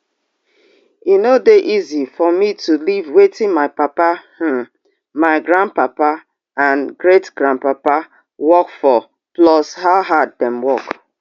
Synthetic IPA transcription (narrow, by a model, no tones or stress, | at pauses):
inodeʔizifɔmitulivwetĩnmaɪpapah̩ | maɪɡɹãn̚papa | ãnɡɹetɡ̥ɾãnpapa | wɔkfɔ | plɔshaʊɦad̚dɛ̃mwɔk